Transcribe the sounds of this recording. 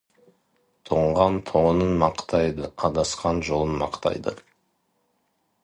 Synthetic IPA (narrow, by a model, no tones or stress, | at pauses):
t̪ʰoɴʁɑnt̪ʰonənmɑqt̪ɑjd̪əɑd̪ɑsqɑnʒo̞lˠənmɑ̰qt̪ɑ̰jd̪ə̰